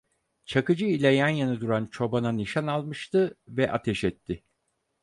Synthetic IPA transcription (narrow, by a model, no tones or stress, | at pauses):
t͡ʃʰakɯd͡ʒɯilʲɛjænjanɯd̪uɾant͡ʃʰo̞bananiʃanalˠmɯʃt̪ɯvɛʔat̪ʰɛʃɛt̪ʰːɪ